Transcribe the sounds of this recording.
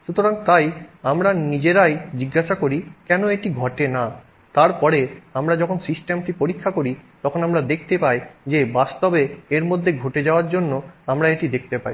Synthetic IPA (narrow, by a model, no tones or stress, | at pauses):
ʃut̪oɾaŋt̪ajamɾanid͡ʑeɾajd͡ʑiɡːaʃakoɾikɛnoeʈiɡʱɔʈena | t̪aɾpɔɾeamɾad͡ʑɔkʰonsisʈemʈipoɾikʰːakoɾit̪ɔkʰonamɾad̪ekʰt̪epajd͡ʑebast̪obeeɾmod̪ʱːeɡʱoʈed͡ʑaoaɾd͡ʑonːoamɾaeʈid̪ekʰt̪epa̰j